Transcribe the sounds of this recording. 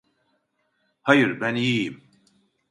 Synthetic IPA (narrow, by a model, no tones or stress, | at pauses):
hɐjɾbænjim